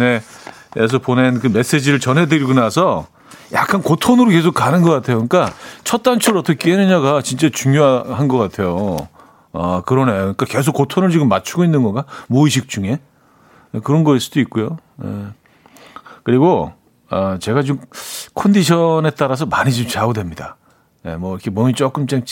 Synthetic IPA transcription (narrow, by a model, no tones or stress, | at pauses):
ne̞es̬ʰʌponenkɯme̞s͈e̞d͡ʑiɾɯɭt͡ɕʌnɦe̞dɯɾiɡonasʰʌ | ja̰k͈ankotʰonɯɾoke̞s̬ʰokanɯnɡʌk͈atʰe̞jokɯɲik͈at͡ɕʰʌt̚t͈ant͡ɕʰuɾʌtʰʌkʰekenɯɲaɡat͡ɕint͡ɕ͈at͡ɕuŋjoɦaɦanɡʌk͈atʰe̞jo | ʌkɯɾʌnajoikake̞s̬ʰok͈ːotʰonɯɭt͡ɕiɡɯmːat͡ɕʰuɡoinːɯnɡʌŋɡamoiɕ̬ʰik̚t͡ɕ͈uŋe̞ | kɯɾʌnɡʌis͈ud̥oik͈ujojḛ | kɯɾiɡo | ʌt͡ɕe̞ɡat͡ɕomkʰʌndiɕʰʌne̞t͈aɾas̬ʰʌmaɲid͡ʑomt͡ɕaɡodwe̞mɲida | jemwʌiɾʌkʰe̞mʌmit͡ɕ͈ok͈ɯmt͡ɕaŋ